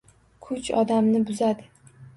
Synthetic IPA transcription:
kʰʊt͡ʃɒ̰d̪amnɪbʊzad̪ɪ

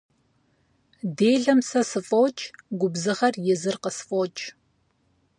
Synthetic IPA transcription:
deːɮɐmsɐsɨfʼowt͡ʃʼɡʷʊbzɨʁɐrjɪzɨrqəsfʼoːt͡ʃʼ

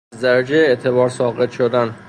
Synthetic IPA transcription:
zd̪æɾæd͡ʒejeet̪ʰebɒːɾsɒːɣet̪ʃod̪æn

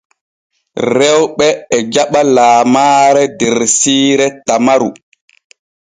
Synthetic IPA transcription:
ɾɛwɓɛːd͡ʒaɓalaːmaːɾɛdɛɾsiːɾɛtamaɾu

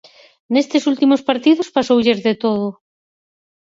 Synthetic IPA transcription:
nest̪ɪsult̪imospaɾt̪iðʊspasowʎezðet̪oð̞ʊ

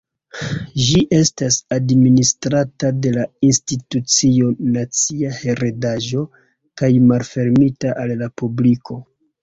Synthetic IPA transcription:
ʒiʔe̞stasadministɾatade̞lainstitut͡sio̞nat͡siahe̞ɾe̞daʒo̞ | kajmalfe̞ɾmitaʔalːapublikʰo̞

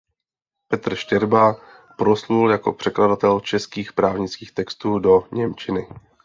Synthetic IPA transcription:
pɛt̪r̩ʃcɛɾba | pɾosluljako̞̰pr̥ɛkladat̪ɛlt͡ʃɛskiːxpɾaːvɲɪt͡skiːxt̪ɛkst̪uːdo̞ɲɛmt͡ʃɪnɪ

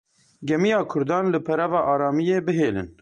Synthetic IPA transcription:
ɡɛmijɑːkʰʊɾd̪ɑːnlɨpʰɛɾɛvɑːʔɑːɾɑːmijeːbɨɦeːlɨ̰n

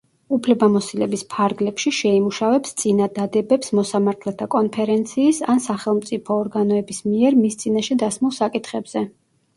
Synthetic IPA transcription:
upʰlɛbamɔsilɛbispʰaɾɡlɛpʃiʃɛimuʃavɛpst̪sʼinad̪ad̪ɛbɛpsmɔsamaɾt̪ʰlɛt̪ʰakʼɔnpʰɛɾɛnt̪sʰiːsansaχɛlˠmt̪sʼipʰɔːɾɡanɔɛbismiɛɾmist̪sʼinaʃɛd̪asmulˠsakʼit̪ʰχɛbz̥ɛ

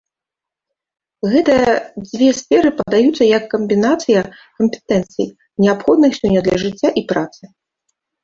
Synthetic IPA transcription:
ɣɛt̪ɨjɐd͡zʲvʲɛsfʲɛɾɨpɐd̪ajut̪sːɐjɐkːɐmʲbʲinat̪sɨjɐ | kɐmʲpʲɛ̥t̪ɛnt̪sɨ̰j | nʲɛapxɔd̪nɨxsʲɔnʲːɐd̪lʲɐʐɨt͡sʲːaʔipɾat̪sɨ

